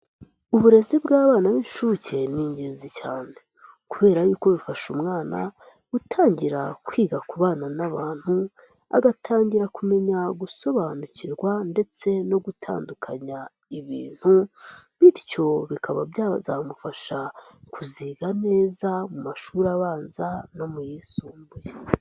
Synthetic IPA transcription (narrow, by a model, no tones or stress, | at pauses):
uβuɾe̞zibɡaːβaːnaβiʃuce̞niːɲɟeːnzicaːne̞ | kuβe̞ːɾajuːko̞βifaʃumŋaːna̰ | ɡ̥utʰaːɲɟiɾa̰kwiːɡakuβaːnanaβaːn̥hu | a̰ɡatʰaːɲɟiɾakume̞ɲaɡuso̞βanuciɾɡwande̞t͡se̞no̞ɡutʰa̰ːndukʰaɲa | iβḭːn̥huβiɾco̞βikʰaβa̰bjazaːmufaʃakuziːɡane̞ːzamumaʃuːɾaβaːnzano̞mujiːsuːmbuje